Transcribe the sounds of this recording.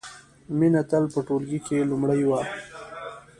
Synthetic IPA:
minat̪alpəʈolɡikelʊmɽajwa

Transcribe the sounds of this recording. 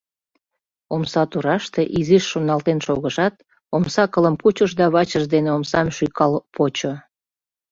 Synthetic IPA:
omsɑt̪uɾɑʃt̪eʔiziʃːonɑlt̪enʃoɣəʃɑt̪ | omsɑkələmput͡ɕəʃd̪ɑβɑt͡ɕəʃd̪eneomsɑmʃyjkɑlpot͡ɕo

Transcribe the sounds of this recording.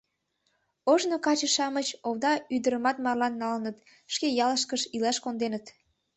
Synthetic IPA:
oʒnokɑt͡ɕəʃɑmət͡ɕoβd̪ɑyd̪əɾəmɑt̪mɑrlɑnːɑlənət̪ | ʃkejɑləʃkəʃilɑʃkond̪enət̪

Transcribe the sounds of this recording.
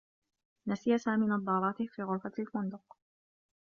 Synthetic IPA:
nasɪjasaːmiːnɑd̪ˤːɑːɾˤɑːt̪ɪhfiːɣʊɾfalfʊnd̪ʊq̚

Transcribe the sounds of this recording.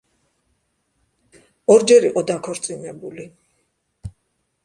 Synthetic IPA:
ɔɾd͡ʒɛɾiqʼɔd̪akʰɔɾt̪sʼinɛbuli

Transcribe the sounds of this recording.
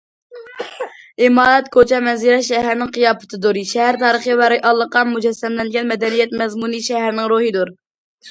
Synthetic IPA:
imɑːɾɛt̪kʰot͡ʃʰɛmɛnziɾɛʃɛɦæɾnɪŋqʰijɑːpɨ̥t̪ʰɨd̪uɾɨʃɛɦæɾt̪ʰɑːɾəχəvɛɾɪjʔɑlˠːəqːɑmud͡ʒɛsːɛmlɛnɡʲɛnmɛd̪ɛnijɛt̪mɛzmuniʃɛɦæɾnɪŋɾoɦɨd̪uɾ

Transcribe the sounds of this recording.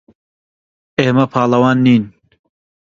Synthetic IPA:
eːmɐpʰɑːlɐwɑːnːiːn

